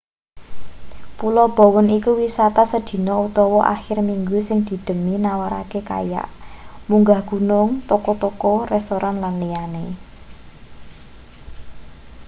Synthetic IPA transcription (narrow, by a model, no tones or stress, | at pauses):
pulɔb̥o̤wʊnikuwisat̪asəd̪̥i̤nɔut̪ɔwɔʔa̰xɪrmiŋɡusɪŋd̪̥i̤d̪̥ə̤minawaɾa̰keka̰ja̰ʔmuŋɡahɡ̥ṳnʊŋt̪ɔkɔt̪ɔkɔrɛst̪oɾʔanlanlijane